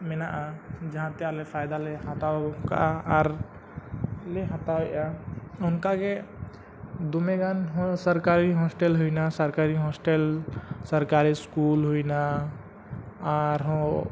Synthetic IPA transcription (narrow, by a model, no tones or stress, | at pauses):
menaʔad͡ʒəɦãt̪ɛalepʰajd̪alehat̪aka̰ʔaaɾ | leɦat̪awʔaʊnkake | d̪umeɡanɦsəɾkaɾiɦɔsʈelɦoinasəɾkaɾiɦɔsʈelsəɾkaɾiskulɦojna | aɾɦɔ̃